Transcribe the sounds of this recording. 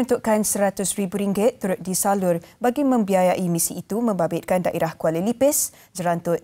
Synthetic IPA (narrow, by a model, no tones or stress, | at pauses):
unt̪uʔkansəɾat̪ʊsɾibuɾiŋɡɪt̪̚ːuɾʊt̪̚disalʊrbaɡimə̃mbiajaʔimĩsiːt̪umə̃mbabɪt̪̚kandaʔeɾahkualəlipɪs | d͡ʒəɾant̪ʊt̪̚